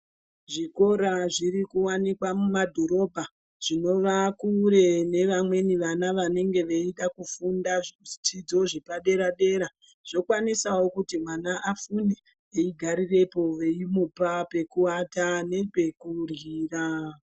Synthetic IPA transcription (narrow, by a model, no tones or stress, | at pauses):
ʐiko̞ɾaʐiɾikuwanikwamumadʱo̞ɾo̞bʱa | ʐ̥ino̞ʋakuɾe̞ne̞ʋamwe̞niʋanaʋane̞ŋɡe̞ʋeiɗakufundaʐt͡ʃid͡zo̞ʐepaɗe̞ɾaɗe̞ɾa | ʐ̥o̞kwanisawo̞kutimwanaʔafune | eiɡʱaɾire̞po̞ʋe̞imupape̞kuwatane̞pe̞kuriːra